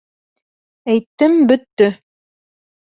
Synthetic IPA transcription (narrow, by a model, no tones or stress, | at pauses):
æjt̪ːɘmbɵ̆t̪ːɵ